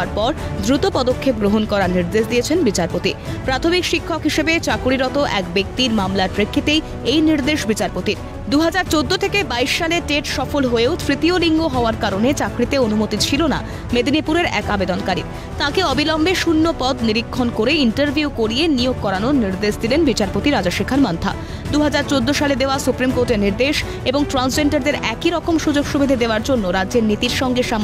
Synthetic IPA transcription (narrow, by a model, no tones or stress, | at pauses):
aɾpɔɾd̪ɾut̪opɔd̪okʰːep̚ɡɾoɦonkɔɾaɾniɾd̪eʃd̪ijet͡ɕʰenbit͡ɕaɾpot̪ipɾat̪ʰomikʃikʰːokɦiʃebet͡ɕakɾiɾɔt̪oʔɛkbek̚t̪iɾmamlaɾpɾekʰːit̪ej | ejniɾd̪eʃbit͡ɕaɾpot̪iɾ | d̪uɦad͡ʑaɾt͡ɕod̪ːot̪ʰekebaiʃːaleʈeʈʃɔfolɦoeot̪ʰɾit̪ioliŋɡoɦɔoaɾkaɾonet͡ɕakɾit̪eonumot̪it͡ɕʰilona̰ | med̪ʱinipuɾeɾɛ̰kabed̪onkaɾḭ | t̪ãkeɔbilɔmbeʃunːopɔd̪niɾikʰːonkoɾeiɳʈəɾbʱiukoɾijenijoɡ̚kɔɾanoniɾd̪eʃd̪ilenbit͡ɕaɾpot̪iɾad͡ʑaʃekʰaɾmant̪ʰa̰ | d̪uɦad͡ʑaɾt͡ɕod̪ːoʃaled̪eoasupɾimkoɾʈeɾniɾd̪eʃ | eboŋʈɾans̬d͡ʑeɳʈaɾd̪eɾɛkiɾɔkomʃud͡ʑoɡʃubʱid̪ʱid̪eoaɾd͡ʑonːoɾadːʑeɾnit̪iɾʃɔŋɡeʃam